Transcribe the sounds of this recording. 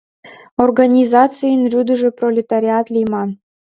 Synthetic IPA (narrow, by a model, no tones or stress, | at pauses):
orɡɑnʲizɑt͡sɨjənrʲyd̪ə̆ʒĕprolʲet̪aɾʲiɑt̪lʲijmɑn